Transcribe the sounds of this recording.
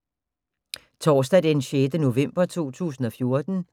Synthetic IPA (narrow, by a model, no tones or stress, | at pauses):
t͡sʰɒːsd̥ɛd̥eenɕed̥əno̝ʋem̰b̥ɐt͡sʰo̝̰ːt͡sʰṵːsn̩ɒ̽fjo̝ɐd̥n̩